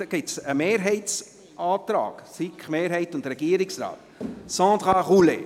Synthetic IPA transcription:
ɡ̥ɪtsəmeːɾɦɛɪts | ʔɑːtɾɑ̰ːksikχmeːɾhɛɪtʊntɾɛɡiːəɾɪksra̰ːt | sɑ̃ːd̪ʁaʁulḛ

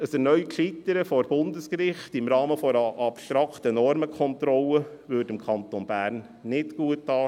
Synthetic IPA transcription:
əsənœʏkʃitəɾəfɔɾb̥ʊndəskɾɪχtɪmɾɑːməfɔʔɑpʃtɾɑktənɔɾməkχɔntɾɔləvʏːɾdɪmkʰɑnt̪onb̥æːɾnː | ɪtɡ̥uətːɑː

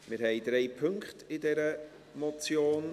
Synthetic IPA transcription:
mɪɾɦɛɪd̪ɾɛɪpʰɵŋkχtɪdɛɾə | mɔt͡sjoːn

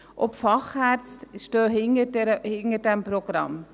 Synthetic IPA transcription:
ʔɔpfɑχhæɾt͡stʃtøːɦɪnədɛɾəhɪnəɾdɛmprɔɡ̥ɾɑ̰m

